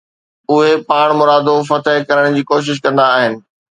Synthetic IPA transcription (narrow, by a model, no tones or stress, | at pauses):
ʊɦepaːɽ̃mʊɾaːd̪ofɐt̪əɦɪkɐɾəɽ̃d͡ʑiːkoːʃ̬ɪʃ̬kɐ̃nd̪aːɦɪnɪ̆